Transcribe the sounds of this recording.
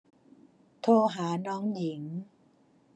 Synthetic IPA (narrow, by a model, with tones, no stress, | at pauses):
t̪ʰoː˧ɦaː˩˦nɔː˦˥ŋji˩˦ŋ